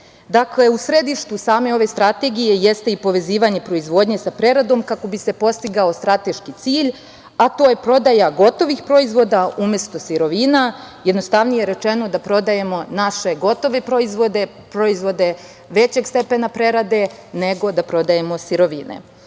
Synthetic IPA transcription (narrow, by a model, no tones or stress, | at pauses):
d̪akle̞usɾe̞d̪iʃt̪usaːme̞o̞ʋe̞st̪ɾat̪e̞ɡije̞jest̪eipo̞ʋe̞ziːʋaɲe̞pɾo̞izʋo̞ːd̪ɲe̞sapɾe̞ɾad̪o̞mkako̞bise̞po̞st̪iɡao̞st̪ɾat̪e̞ʃkit̪siːʎ | at̪o̞ːjepɾo̞d̪ajaɡo̞t̪o̞ʋixpɾo̞izʋo̞d̪aumʲje̞st̪o̞siɾo̞ʋinajed̪nost̪aʋnije̞ɾe̞t͡ʃe̞no̞d̪apɾo̞d̪aje̞mo̞naʃe̞ɡo̞t̪o̞ʋe̞pɾo̞izʋo̞d̪e̞ | pɾo̞izʋo̞d̪e̞ | ʋe̞t͡ɕe̞ɡst̪e̞pe̞napɾe̞ɾad̪e̞ne̞ɡo̞d̪apɾo̞d̪ajemo̞siɾo̞ʋinḛ